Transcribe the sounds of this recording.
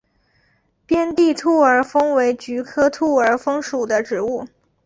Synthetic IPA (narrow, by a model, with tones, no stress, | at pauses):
pjɛ˥nt̪i˥˧t̪ʰu˥˩ə˞˨˩fɤ˥ŋwe˧˥ɪt͡ɕy˧˥kʰɤ˥t̪ʰu˥˩ə˞˨˥fɤ˥ŋʂu˨˩d̪ə˦ʈ͡ʂɻ̩˧˥u˥˩